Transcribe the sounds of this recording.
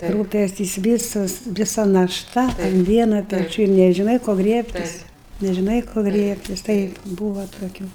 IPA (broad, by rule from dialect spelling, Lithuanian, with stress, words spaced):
ˈruːpʲɛsʲtʲɪs ˈʋʲiːsɐs ʋʲɪˈsɐ nɐˈʃtɐ ʊn ˈʋʲiɛnoː pʲɛˈt͡ʃʲuː ɪr nʲɛʒʲɪˈnɐɪ koː ˈɡrʲiɛpʲtʲɪs nʲɛʒʲɪˈnɐɪ koː ˈɡrʲiɛpʲtʲɪs ˈtɐɪp ˈbuːʋɐ toːˈkʲuː